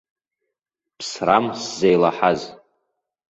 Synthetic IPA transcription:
pʰsramszejlaħaz

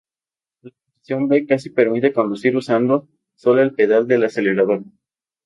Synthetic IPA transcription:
lakosi̥sjo̞mbe̞kas̬ipe̞ɾmit̪e̞ko̞nd̪usiɾusand̪o̞ | so̞loelpe̞ð̞ald̪e̞lase̞le̞ɾað̞o̞ɾ

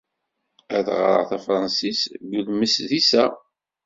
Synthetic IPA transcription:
æθʁɾˤə̰ʁθæfɾˤɑnsisɡuðməsðisæ

